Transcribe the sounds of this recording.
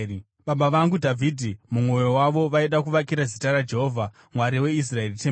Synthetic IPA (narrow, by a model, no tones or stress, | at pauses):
ɓaɓaʋaŋɡudʱavʱidʱimumo̞jowaʋo̞ʋaiɗakuʋakiɾazitaɾad͡ʒe̞ɦoːvʱa | mwaɾiwe̞is̬rae̞rite